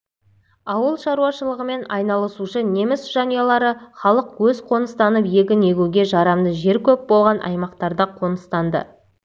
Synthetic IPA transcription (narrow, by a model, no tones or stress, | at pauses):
ɑwəlˠʃɑɾuɑʃəlˠəʁəme̞nɑjnɑlˠəsuʃəne̞mɪsʒ̥ɑnijɑlˠɑɾəχɑlˠəqwɵzqʰo̞nəst̪ɑnəpje̞ɡʲɪne̞ɡʲuɡʲe̞ʒɑɾɑmd̪əʒe̞ɾkʲʰɵp̚bo̞lˠʁɑnʔɑ̰jmɑqt̪ɑɾd̪ɑqʰo̞nəst̪ɑnd̪ə̰